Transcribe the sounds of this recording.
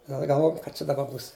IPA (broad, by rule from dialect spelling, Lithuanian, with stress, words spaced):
ɡɐlˠ ɡɐlˠˈʋoːjɛm kɐ ˈt͡ʃʲɛ dɐˈbɐ ˈbuːs